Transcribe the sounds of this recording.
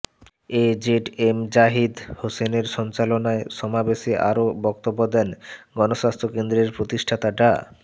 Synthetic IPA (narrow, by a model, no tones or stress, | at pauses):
ed͡ʑeʈemd͡ʑaɦid̪hoseneɾʃɔnt͡ɕalonaeʃɔmabeʃeʔa̰ɾobɔk̚t̪obːod̪ɛnɡɔnoʃast̪ʰɾokend̪ɾeɾpɾot̪iʃʈʰat̪aʈa